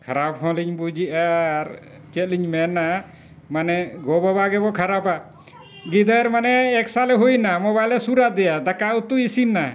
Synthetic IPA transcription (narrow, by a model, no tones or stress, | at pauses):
kʰaɾabhɔ̃liɲbud͡ʒiʔaɾ | t͡ʃɛt̪̚liɲmɛna | manɛɡɔbɔbaɡɛbɔkʰaɾaba | ɡid̪əɾmanɛːksalɛɦujnamɔbajlɛsuɾad̪ɛjad̪akaut̪uisinːa